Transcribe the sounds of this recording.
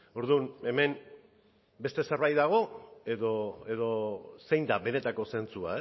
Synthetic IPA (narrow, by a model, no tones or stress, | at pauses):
o̞ɾðune̞me̞n | be̞st̪e̞seɾβajðaɣ̞o̞e̞ðoeðo̞se̞jnd̪aβe̞ne̞t̪ako̞se̞nt͡sua̰e